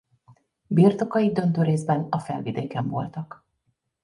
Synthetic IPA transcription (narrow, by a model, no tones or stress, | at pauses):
birt̪o̞kɒid̪ø̞nt̪øːɾeːzbɛnɒfɛ̰lvid̪eːkɛɱvo̞̰lt̪ɒk